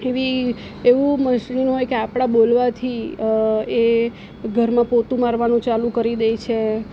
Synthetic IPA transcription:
eʋi | eʋũməʃninɦojkeapɽ̃abolʋat̪ʰi | e | ɡʱəɾmãpot̪ũmaɾʋanũt͡ʃalũkəɾid̪ejt͡ʃʰe

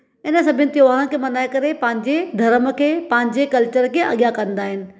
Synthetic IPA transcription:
ɪnəsɐbʱɪnɪ̆t̪joʋaːɾə̃kʰeːmɐnaːekɐɾepɐ̃ɦɪ̃ɲd͡ʑed̪ʱɐɾəmkʰeːpɐ̃ɦɪ̃ɲd͡ʑekɐlt͡ɕəɾkʰeːʔɐ̰ɠjakɐ̃nd̪aːɦɪnɪ̆

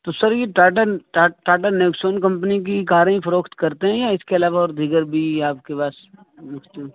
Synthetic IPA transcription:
t̪osɐɾjeʈaːʈəʈaʈaːʈ̬ənɐʊksoːnkɐ̃mpənik̬ikaːɾẽĩfɐɾoːkʰt̪kɐɾt̪eɦɛ̃jaɪskeɐlaːʋaɔːɾd̪ʱiɡəɾbʱiaːp̚kepaːs | mʊkʰt̪eɦũ

